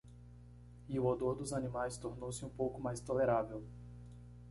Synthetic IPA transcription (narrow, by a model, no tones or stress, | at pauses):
iʊod̪oɾd̪ʊzanĩmajst̪oɾnowsɪũpowkʊmajst̪oleɾavew